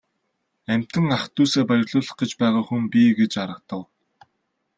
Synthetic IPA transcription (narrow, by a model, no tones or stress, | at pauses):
æm̥ʲt̪ɘ̆ŋaχt̪ːuːseːpæɾʲɪ̆rɮʊːɮə̆χɡĕt͡ɕpæːʁaːxumpiɡet͡ɕaɾə̆k̚t̪ə̆w